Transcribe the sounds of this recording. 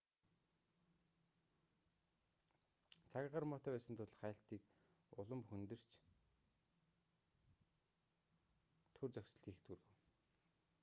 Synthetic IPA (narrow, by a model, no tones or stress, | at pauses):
t͡sʰakʲʁə̆rmɔːt̪æpæːsə̆nt̪ʰʊɮχæːɬt̪iːk | ʊɮə̆mxɵnt̪ɘ̆r̥t͡ɕ | t̪ʰɵrt͡sœkʲs̆ɮiːxt̪ʰurɣɵ̆w